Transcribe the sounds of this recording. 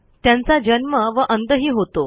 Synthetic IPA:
t̪jant͡sad͡ʑənməʋəʔənd̪əɦiːɦot̪o

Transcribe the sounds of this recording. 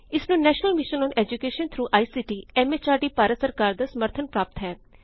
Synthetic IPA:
ɪsnũːnɛːʃnəlmɪʃənɔ̃ːnɛːd͡ʒukeːʃənt̪ʰɾuːʔaːiːsiːʈiːɛːmeːt͡ʃaːʈiːpaːɾət̪səɾkaːɾd̪aːsəməɾt̪ʰənpɾaːp̚t̪ɦɛː

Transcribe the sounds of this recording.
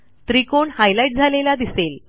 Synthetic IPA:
t̪ɾikoɳhajlaiʈ̚d͡zʱalelad̪isel

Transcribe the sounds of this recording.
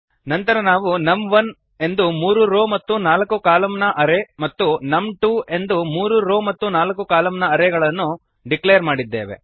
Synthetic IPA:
nɐnt̪ɐɾɐnaːʋunɐmʋɐn | e̞nd̪umuːɾuɾoːmɐt̪ːunaːlɐkukaːlɐmnɐʔɐɾemɐt̪ːunɐmʈue̞nd̪umuːɾuɾo̞ːmɐt̪ːunaːlɐkukaːlɐmnɐɐɾeɡɐɭɐnːu | ɖiklejɐɾmaːɽid̪ːeːʋe̞̰

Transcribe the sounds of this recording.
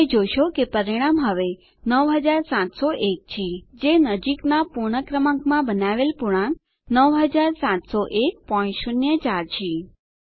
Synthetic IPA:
ed͡ʒojʃokepəɾiɽ̃amɦəʋe | nəʋɦəd͡ʒaɾsãt̪soʔek̚t͡ʃʰid͡ʒenəd͡ʒiknapuɾɳ̃əkɾəmãɡmãbənaʋelpuɽ̃ãn | nəʋɦəd͡ʒaɾsãt̪soʔek̚pɔ̃j̃ʃunjət͡ʃaɾt͡ʃʰi

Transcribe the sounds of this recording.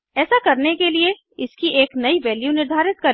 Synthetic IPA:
ɛːsakɐɾnekelie | ɪskiʔeːknɐiʋɛːljunɪɾd̪ʱaːɾɪt̪̚kɐɾ

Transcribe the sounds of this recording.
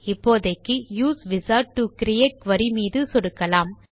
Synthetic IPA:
ɪpːoːðɐɪkːɯjuːsʋɪsaːɾʈ̚ʈukɪɾɪeːʈ̚ʋɐɾimiːðɯsɔɽɯkːɐlaːm

